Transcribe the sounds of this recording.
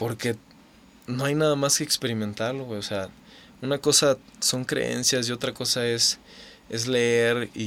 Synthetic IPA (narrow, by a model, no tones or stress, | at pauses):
po̞ɾke̞ | no̞ajnaðamaske̞ːkspe̞ɾimẽ̞nt̪aɾloweosea | unako̞saso̞ŋkɾḛḛnsjasio̞t̪ɾako̞sae̞s | e̞zleeɾi